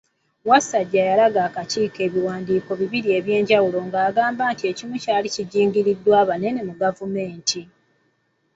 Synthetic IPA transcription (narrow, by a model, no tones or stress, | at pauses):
wasaɟːajalaɡaːkaciːke̞ːβiwaːndiːko̞βiβiɾie̞βje̞ːɲɟawulo̞ŋɡaːɡaːmbaːntie̞cimucaːliciɟiːŋɟiɾidːwaːβane̞ne̞muɡavume̞ːntʰi